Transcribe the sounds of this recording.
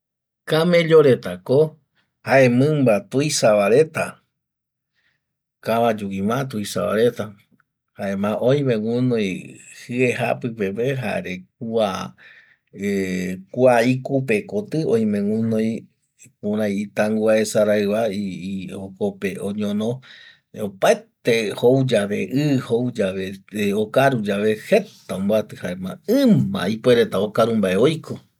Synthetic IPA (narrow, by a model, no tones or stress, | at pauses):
kamẽ̞ʎoɾe̞t̪ako | haʔẽmɨ̃mbat̪ujsaβaɾe̞t̪a | kaβãd͡ʒuimãt̪̬uisa̰βa̰ɾet̪a | haʔemãʔoj̃mẽwũnõjhɨeɦa̰pɨpepeɦa̰eɾek̚ua | ekuaikupekot̪ɨõj̃mẽŋũnõj | pũɾãjit̪aŋɡuaesaɾaɨβaiokopeoɲõnõ | opaet̪ehowd͡ʒaβeʔɨhowd͡ʒaβeokaɾud͡ʒaβehe̞t̪aõmboat̪ɨhaemãɨ̃mã̰ipoeɾet̪aokaɾumbaʔeojkʰo